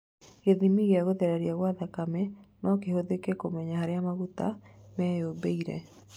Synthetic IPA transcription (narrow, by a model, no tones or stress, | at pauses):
ɣeðimiɣeaɣoðɛɾaɾiaɣwaðakamɛnɔkehoðekɛkomɛɲahaɾeamaɣutamɛjobeiɾɛ̰